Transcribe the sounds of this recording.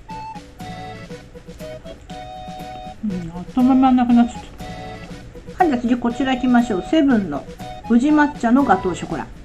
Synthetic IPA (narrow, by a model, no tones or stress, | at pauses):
t̪omamanakɯ̟nat̪ːɨ̥t̪ː | hãɲd̪at͡sɨɡʲiko̞t͡ɕiɾaikʲimaɕo̞ːse̞bɯ̟̃nːo̞̰bɯ̟ʑimat͡ɕːanoɡat̪o̞ːɕoko̞ɾa̰